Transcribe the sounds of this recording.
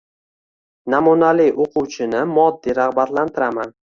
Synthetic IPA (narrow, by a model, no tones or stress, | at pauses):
namunalɪjʔoqʰʊwt͡ʃʰɪnɪmɒd̪ːiɾahbat̪lant̪ʰɪɾaman